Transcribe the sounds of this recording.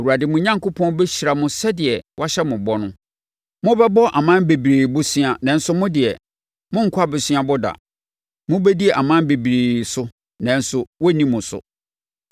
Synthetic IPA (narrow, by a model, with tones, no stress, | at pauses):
o˨wu˨a˨dɪ˨mʊ̃˦ɲã˦ŋkʊ˦pʰɔ̃˦n˦bɛ˦ɕi˨ɾa˨mʊ̃˦sɛ˦dɪ˨ɛ˨wʔa˦ɕɛ˦mʊ̃˨bɔ˦nʊ̃˦ | mʊ̃˦bɛ˦bɔ˦ʔa˨mã˦be˨bɾe˨bʊ˦si˦a˨nã˨n̩˦sʊ˦mʊ̃˦dɪ˨ɛ˨ | mʊ̃˦ŋ̩˨kʰʊ˦a˦˨bɛ˨sɥa˦bʊ˦da̰˨ | mʊ̃˦bɛ˦di˦ɛ˨ʔa˨mã˦m˦be˨bi˨ɾeː˨sʊ˦ | nã˨˦n̩˦sʊ˨wɔ˦nĩ˦mʊ̃˨sʊ̰˨